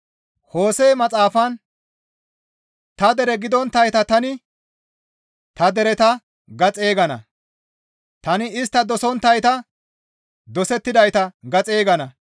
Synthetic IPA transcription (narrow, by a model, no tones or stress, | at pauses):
ho̞ːseːmɐt͡sʼaːfɐn | t̪ɐd̪ɛɾɛɡɪd̪ɔnt̪ːɐjt̪ɐt̪ɐnɪ | t̪ɐd̪ɛɾɛt̪ɐ | ɡɐt͡sʼe̞ːɡɐnɐ̰ | t̪ɐnɪɪs̬t̪ːɐd̪ɔsɔnt̪ːɐjt̪ɐ | d̪ɔsɛt̪ːɪd̪ɐjt̪ɐɡɐt͡sʼeːɡɐnɐ